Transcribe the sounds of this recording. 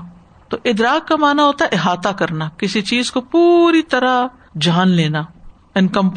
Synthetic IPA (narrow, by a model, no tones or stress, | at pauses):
t̪o̰ːʔɪd̪ɾaːkːamaːnaɦoːt̪aɛʔɪɦaːt̪akɐɾnaːkɪsit͡ʃiːzkopuːɾit̪ɐɾa | d͡ʒaːnleːnaː | ɪnkə̃mp